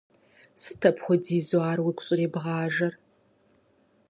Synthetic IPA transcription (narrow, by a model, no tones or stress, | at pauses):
sɨtʰɐpʰχʷʊɔdiːzuaːɾwiːkʷʊɕʼɪreːbʁɑːʒɐr